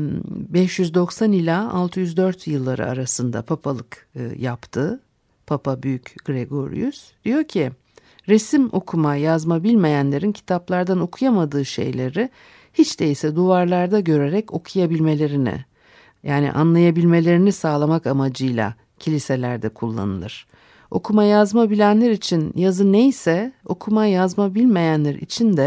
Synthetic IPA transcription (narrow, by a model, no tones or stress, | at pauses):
bɛʃjyzd̪o̞ksanilʲaa̰lˠt̪ʰɯjyzd̪ø̞ɾt̪jɯlˠːaɾɯ̰a̰ɾasɯnd̪a̰pʰapʰalˠɯkjapt̪ʰɯ | pʰapʰabyjycɡ̥ɾeɡo̞̰ɾ̰jy̰sd̪̥ijo̞ɾcʰi | ɾesimo̞̰kʰumajazmabilʲme̞jænlʲe̞ɾincʰi̥t̪ʰaplˠaɾd̪ano̞kʰujamad̪ɯːʃe̞̰jlʲe̞ɾɪ | hit͡ʃd̪eisɛd̪uaɾlˠaɾd̪aɟø̞ɾe̞ɾɛco̞kʰujabilʲme̞lʲe̞ɾinḭ | jʔaːnḭʔa̰nlˠajabilʲme̞lʲe̞ɾinisaːlˠamakamad͡ʒɯjlʲˠa̰ | cʰilʲise̞lʲæɾd̪ɛkʰulˠːa̰nɯ̰lˠɯɾ̥ | o̞̰kʰumajazmabilʲænlʲæɾit͡ʃʰinjazɯnejsɛo̞kʰumajazmabilʲme̞jænlʲæɾḭt͡ʃʰind̪ɛ